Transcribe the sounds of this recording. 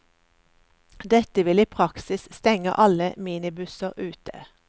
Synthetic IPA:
d̪ɛt̪əʋɪliːpʰʁɑksɪsst̪ɛŋə̰ʔɑləmiːnɪbʉsəʁʔʉːt̪ʰə̰

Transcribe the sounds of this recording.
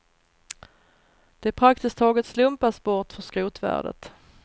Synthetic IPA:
d̪̥ɛæɾpʰɾak̚t̪ɪsk̚t̪ʰːɑːɡət̪slɵmpasbɔʈ̪fœskɾuːt̪væ̰ːɖə̰t̪

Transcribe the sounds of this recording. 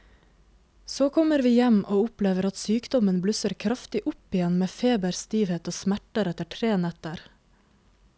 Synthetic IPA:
soːkʰɔməɾʋiːjɛmʔoːʊpleːʋəɾɑt̪syːkd̪ɔmənblʉsəɾkʰɾɑft̪ɪʔʊpɪjɛnmeːfeːbəɾst̪iːʋheːt̪oːsmæʈəɾɛt̪əʈʰɾeːnɛt̪əɾ

